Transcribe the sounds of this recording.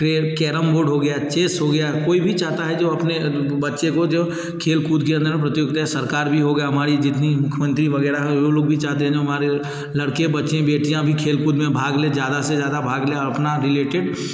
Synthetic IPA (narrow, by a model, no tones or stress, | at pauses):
ʈɾekɛːɾəmboːɾɖɦoɡɐjat͡ʃeːsɦoɡɐjakoːibʱit͡ʃaːɦt̪aɦɛd͡ʒoːɐpne | bɐtːʃẽkod͡ʒoː | kʰeːlkuːd̪keɐ̃nd̪əɾpɾɐt̪ɪjoɡt̪aɦɛsɐɾkaːɾbʱiɦoɡɐjaɦɐmaːɾid͡ʒɪt̪nimʊkʰjəmə̃nt̪ɾiʋɐɡɛːɾaɦɛ̃joloːɡ̚bʱit͡ʃaːɦt̪eɦɛ̃d͡ʒoɦɐmaːɾe | lɐɽkebɐtːʃẽbeːʈijãbʱikʰeːlkuːd̪mẽbʱaːɡled͡ʒjaːd̪ased͡ʒjaːd̪abʱaːɡleɔːɾɐpnaɾɪleːʈɪɖ